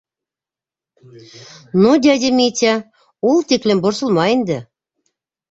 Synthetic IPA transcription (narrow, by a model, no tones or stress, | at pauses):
nod̪ʲædʲemet̪ʲæ | ulˠt̪eklʲĕmborsɤ̆lˠmɑend̪ɘ̆